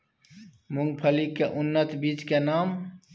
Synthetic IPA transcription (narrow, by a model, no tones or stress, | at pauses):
muŋɡ̚pʰəlikeʔunːət̪biːt͡ʃkenaːm